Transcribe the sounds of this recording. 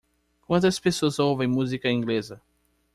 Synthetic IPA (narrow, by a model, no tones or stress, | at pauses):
kwɐ̃nt̪ɐspesoɐzowvẽj̃muzikɐĩŋɡlezɐ